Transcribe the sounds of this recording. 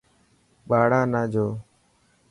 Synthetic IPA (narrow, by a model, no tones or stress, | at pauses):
ɓaːɽãːnãːd͡ʒʱoː